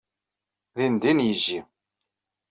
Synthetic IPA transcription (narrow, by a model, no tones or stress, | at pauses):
ðind̪injəzːi